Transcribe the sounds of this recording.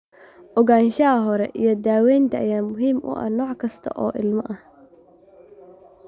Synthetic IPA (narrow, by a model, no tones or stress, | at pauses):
ʔɔɣaːnʃɐɐɦɔɾɛ̰ʔijɞd̪aːwɛːjnt̪ʰɐːjaːmʊɦiːmʔʊ̰ʔɐ̰hnɔːʕkʰɐst̪ʰɐ̰ʔɔːʔɪlmɐʔɐh